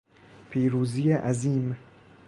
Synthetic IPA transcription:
pʰiːɾuːzijeʔæziːm

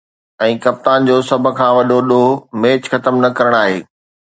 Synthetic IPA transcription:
ɛ̃ːkɐp̚t̪aːnd͡ʑoːsɐbʱʊ̆kʰãːʋɐɗoɗomeːt͡ɕxɐt̪əmnɐkɐɾəɽ̃aːɦḛː

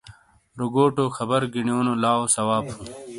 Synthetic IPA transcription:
ɾoɡoːʈoːxɐbɐɾɡiɳijoːnolaːosɐwaːbhũː

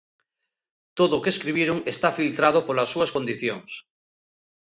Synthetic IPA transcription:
t̪oðokeskɾiβ̞jeɾoŋest̪afilt̪ɾað̞opolasːuasko̞nd̪iθjoŋs

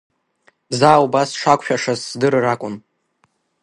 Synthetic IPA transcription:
bzaːubasʂakʷʰʼʃᶣaʂazdɨrrakʷʼʊn

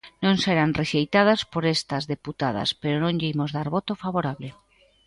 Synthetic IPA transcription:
nõŋseɾanreʃejt̪að̞aspoɾest̪ɐzðeput̪að̞a̰speɾonõŋʎeimozðaɾβot̪ofaβoɾaβle

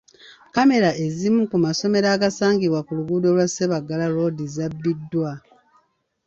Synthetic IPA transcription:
kame̞ɾaʔe̞zimukumaso̞me̞ɾaːɡasaːŋɡiβwakuluɡuːdo̞lwase̞βaɡalaɾo̞ːdizabːidːwa

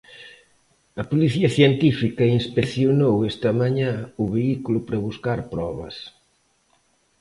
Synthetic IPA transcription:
ɐpoliθiɐθjent̪ifikɐinspeθjonowest̪ɐmaɲãuβeikulʊpɾɐβuskaɾpɾɔβɐ̰s

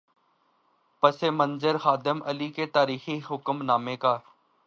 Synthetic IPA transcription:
pəseːmənzəɾxaːd̪ɪməliːkeːt̪aːɾiːxiːɦʊkəmnaːmeːkaː

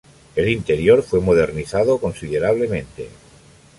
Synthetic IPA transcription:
e̞lint̪e̞ɾjoɾfwe̞moð̞e̞ɾniθað̞oko̞nsiðe̞ɾaβ̞le̞mẽ̞nt̪e̞̰

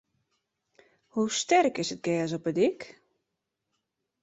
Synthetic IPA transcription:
hustɛrkɪsət̚ɡɛːs̬ɔpədɪk

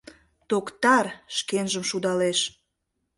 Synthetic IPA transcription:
t̪okt̪ɑrʃkenʒəmʃud̪ɑleʃ

